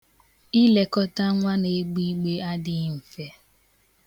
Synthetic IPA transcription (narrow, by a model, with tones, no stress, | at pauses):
i˦le˨kɔ˦ta˦ŋʷa˦ne˨˦ɡ͡bi˦ɡ͡be˦a˦dɪ˦m̩˨fe˦